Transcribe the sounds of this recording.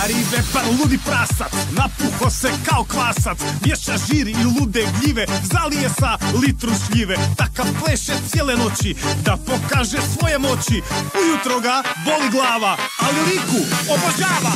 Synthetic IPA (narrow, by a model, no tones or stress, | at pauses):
ɾibepalˠud̪ipɾaːsat̪napuxosekaokʋaːsat̪smjeʃaʒiːɾilˠud̪eɡʎiʋezalijesalit̪ɾusʎiʋet̪akaʋpleʃet̪sjeleno̞t͡ɕid̪apo̞kaːʒesʋo̞jemo̞t͡ɕiujut̪ɾoɡabo̞liɡlˠaːʋaːlilikuobod͡ʑaːʋa